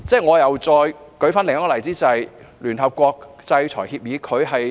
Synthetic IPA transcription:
t͡sɛː˥˩ŋɔː˨˧jɐ˨wt͡sɔː˧jkɵ˨˥ɥfaː˥nlɪ˨˩ŋ˥ɔ˥˧˨lɐ˨˩jt͡siː˥t͡sɐ˨j | lyː˨˩nɦɐ˨p̚kʷɔː˧k̚ | t͡sɐ˧jt͡sʰɔː˨˩jhiː˧p̚jiː˨˧kʰɵ˨˧ɥɦɐ˨j

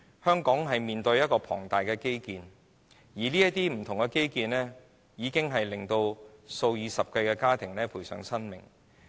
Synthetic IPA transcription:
hœː˥ŋkɔː˨˥ŋɦɐ˨jmiː˨nt̪ɵ˧ɥjɐ˥t̚kɔː˧pʰɔ̰ː˨˩ŋt̪aː˨jkɛː˧ke˥jkiː˧n | jiː˨˩liː˥jɐ˥t̪iː˥m̩˨˩t̪ʰʊ˨˩ŋkɛː˧ke˥jkiː˧nlɛː˥ | jiː˨˧kɪ˥ŋɦɐ˨jlɪ˨˩ŋt̪o˧wso˧wjiː˨˧sɐ˨p̚kɐ˧jkɛː˧kaː˥t̪ʰɪ˨˩ŋlɛː˥pʰuː˨˩jsœ̰ː˨˥ŋsɐ˥nmɪ˨˩ŋ

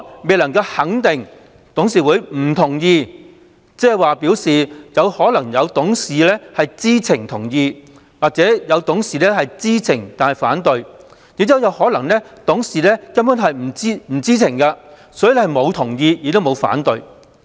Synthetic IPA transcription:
me˨jlɐ˨˩ŋkɐ˧whɐ˨˥ŋt̪ɪ˨ŋ | t̪ʊ˨˥ŋs̬iː˨˩wuː˨˧jm̩˨˩t̪ʰʊ˨˩ŋjiː˧ | t͡sɛː˥hɐ˨˩jwaː˨˩pi˨˥wsiː˨jɐ˨˧whɔː˨˥lɐ˨˩ŋjɐ˨˧wt̪ʊ˨˥ŋsiː˨lɛː˥hɐ˨jt͡siː˥t͡sʰɪ˨˩ŋt̪ʰʊ˨˩ŋjiː˧ | waː˨k̚t͡sɛː˨˥jɐ˨˧wt̪ʊ˨˥ŋsiː˨lɛː˥hɐ˨jt͡siː˥t͡sʰɪ˨˩ŋt̪aː˨nhɐ˨jfa̰ː˨˥nt̪ɵ˨ɥ | ji˨˥t͡siː˥wjɐ˨˧whɔː˨˥lɐ˨˩ŋnɛː˥t̪ʊ˨˥ŋsiː˨lɛː˥kɐ˥mkʊ˨˥nɦɐ˨jm̩˨˩t͡siː˥m̩˨˩t͡siː˥t͡sʰɪ˨˩ŋkɐ˧ | sɔː˨˥jy˨˧lɛ˥hɐ˨jmo˨˧wt̪ʰʊ˨˩ŋjiː˧jiː˨˧˥t̪o˥wmo˨˧wfa̰ː˨˥nt̪ɵ˨˧ɥ

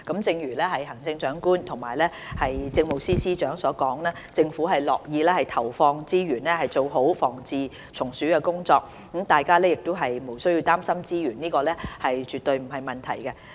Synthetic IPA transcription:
kɐ˨˥mt͡sɪ˧ŋjyː˨˩lɛː˥ɦɐ˨jɦɐ˨˩ŋt͡sɪ˧ŋt͡ʃœː˨˥ŋkuː˥nt̪ʰʊ˨˩ŋmaː˨˩jlɛː˥ | hɐ˨jt͡sɪ˧ŋmo˨wsiː˥siː˥t͡ʃœː˨˥ŋsɔː˨˥kɔː˨˥ŋlɛː˥t͡sɪ˧ŋfuː˨˥ɦɐ˨jlɔː˨k̚jiː˨˧lɛː˥hɐ˨jt̪ʰɐ˨˩wfɔː˧ŋt͡siː˥jyː˨˩nlɛː˥hɐ˨jt͡so˨wɦo˨˥wfɔː˨˩ŋt͡siː˨ | t͡sʰʊ˨˩ŋsyː˨˥kɛ˧kʊ˥ŋt͡sɔː˧k̩̚˨˥ | mt̪aː˨jkaː˥lɛː˥jɪ˨k̚t̪o˥wɦɐ˨jmo˨˩wsɵ˥ɥji˧wt̪aː˥msɐ˥mt͡siː˥jyː˨˩nniː˥kɔː˧lɛː˥hɐ˨jt͡ʃyː˨t̪ɵ˧ɥm̩˨˩ɦɐ˨jmɐ˨nt̪ʰɐ˨˩jkɛ˧

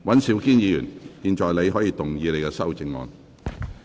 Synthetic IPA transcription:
wɐ˨˥nsiː˨˥wkiː˥njiː˨˧jy̰ː˨˩njiː˨˧nt͡ʃɔː˨jle˨˧jɦɔː˨˥jiː˧t̪ʊ˨˩ŋjiː˨˧le˨˧jkɛ˧sɐ˥wt͡sɪ˧ŋːɔ̰ː˨˧n

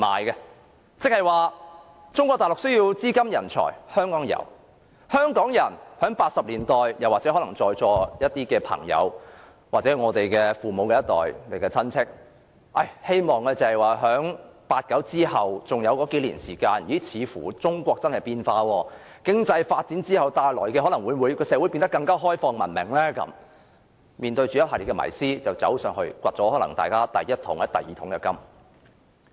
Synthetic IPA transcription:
ma̰ː˨jkɛ˧ | t͡sɪ˥k̚hɐ˨˩jwaː˨ | t͡sʊ˥ŋkʷɔː˧t̪aː˨jlʊ˨k̚sɵ˥ɥjiː˧wt͡siː˥kɐ˥mjɐ˨˩nt͡sʰɔ̰ː˨˩jhœː˥ŋkɔː˨˥ŋjɐ̰˨˩w | hœː˥ŋkɔː˨˥ŋjɐ˨˩nhœː˨˥ŋpaː˧t̚sɐ˨p̚liː˨˩nt̪ɔː˨jjɐ˨˩waː˨t̚t͡sɛ˨˥hɔ˨˥lɐ˨˩ŋt͡sɔː˧jt͡sɔː˧jɐ˥t̚t̪iː˥kɛː˧pʰɐ̰˨˩ŋjɐ̰˨˧w | waː˨t̚t͡sɛː˨˥ŋɔː˨˧t̪e˨jkɛː˧fuː˨mo˨˧wkɛː˧jɐ˥t̪ɔ̰ː˨jle˨jkɛː˧t͡sʰɐ˥nt͡sʰɪ˥k̚ | ʔɐ˨˩jhe˥jmɔː˨ŋkɛː˧t͡sɐ˨˩hɐ˨jwaː˨ɦœː˨˥ŋpaː˧t̚kɐ˨˥wt͡siː˥hɐ˨wt͡sʊ˨ŋjɐ˨˧wkɔː˨˥ke˨˥jlḭː˨˩nsiː˨˩kaː˧njiː˨˥t͡sʰiː˨˧fṵː˨˩t͡sʊ˥ŋkʷɔː˧k̚t͡sɐ˥nhɐ˨jpiː˧nfaː˧wɔː˧ | kɪ˥ŋt͡sɐ˧jfaː˧t̚t͡siː˨˥nt͡siː˥hɐ˨wt̪aː˨˧jlɔː˨˩jkɛ˧ɔː˨˥lɐ˨˩ŋwuː˨˧jwu˨˧jkɔː˧sɛː˨˥wu˨˥jpiː˧nt̪kːɐ˧ŋkaː˥ɦɔː˥jfɔː˧ŋmɐ˨˩nmɪ̰˨˩ŋlɛː˥kɐ̰˨˦˥m | miː˨nt̪ɵ˧ɥt͡ʃyː˨jɐ˥haː˨˩li˨tkɛ˧mɐ̰˨˩jsiː˥t͡sɐ˨wt͡sɐ̰˨˥wsœː˧ŋhɵ˧ɥkʷɐ˨t̚t͡sɔː˨˥hɔː˨˥lɐ̰˨˩ŋt̪a̰ː˨˩jkaː˥t̪ɐ˨jːɐ˥t̚t̪ʰʊ̰˨˥ŋjɐ˥t̚t̪ɐ˨jiː˨˩t̪ʰʊ˨˥ŋkɛ˧kɐ˥m

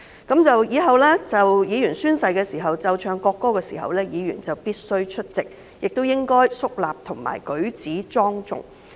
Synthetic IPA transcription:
kɐ˨˥mt͡sɐ˨wjiː˨˥ɦɐ˨wlɛː˥t͡sɐ˨wjiː˨˧jyː˨˩nsyː˥nsɐ˨˧jkɛː˧siː˨˩ɦɐ˨wt͡sɐ˨wt͡ʃʰœː˨˧ŋkɔː˧kːɔː˥kɛː˧siː˨˩hɐ̰˨wlɛː˥jiː˨˧jy̰ː˨˩nt͡sɐ˨wpiː˥t̚sɵ˥ɥt͡ʃʰɵ˥t̚t͡sɪ˨k̚ | jɪ˨k̚t̪o˥wjɪ˥ŋkɔː˥jsʊ˥k̚laː˨p̚t̪ʰʊ˨˩ŋma̰ː˨˩jkɵ˨˥ɥt͡siː˨˥t͡sɔː˥ŋt͡sʊ̰˨ŋ

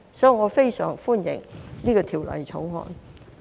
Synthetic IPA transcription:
sɔː˨˥i˨ŋɔː˨˧fe˥jsœ̰ː˨˩ŋfuː˥njɪ̰˨˩ŋniː˥kɔː˧t̪ʰiː˨˩wlɐ̰˨˩jt͡sʰo˨˥whɔ̰ː˧˩n

